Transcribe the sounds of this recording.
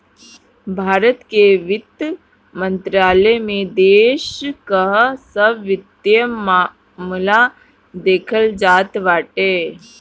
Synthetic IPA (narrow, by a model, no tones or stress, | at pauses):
bʱaːɾət̪keʋɪt̪ | mə̃nt̪ɾaːlemẽd̪eːʃkəɦsəbʋɪt̪jəa | mla | d̪eːkʰəld͡ʒaːt̪ʋaːʈeː